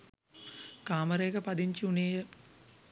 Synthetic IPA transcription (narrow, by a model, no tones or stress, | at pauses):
kaːməɾəjekəpad̪iɲt͡ʃiuneːjə